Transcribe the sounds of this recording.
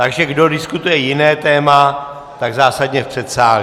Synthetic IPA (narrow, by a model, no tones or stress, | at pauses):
t̪aɡʒɛɡdo̞dɪskut̪ujɛjɪnɛːt̪ɛːma | t̪aɡzaːsadɲɛfpr̥ɛt̪saː